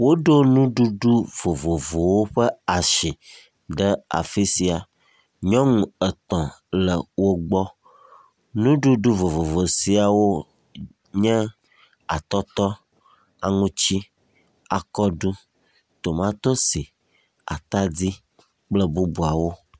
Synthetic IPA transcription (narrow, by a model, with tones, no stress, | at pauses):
wo˦ɖo˦nũ˦ɖu˦ɖu˦vo˨vo˨vo˨wo˦ɸɛ˦a˨ʃi˨ | ɖə˦a̰˨fi˦si˨a˨ | ɲɔ̃˦ŋũ˨ə˨t̪ɔ̃˨lə˨wo˦ɡ͡bɔ˦ | nũ˦ɖu˦ɖu˦vo˨vo˨vo˨si˨˦a˨wo˦ | ɲɛ̃˦ | a̰˨t̪ɔ˦t̪ɔ˦ | a˨ŋũ˦t͡ɕi˦ | a˨kɔ˦ɖu˦ | t̪o˨mã˦t̪o˦si˨ | a̰˨t̪a˦d͡zi˦ | k͡plə˦bu˦bu˨a˨wo˦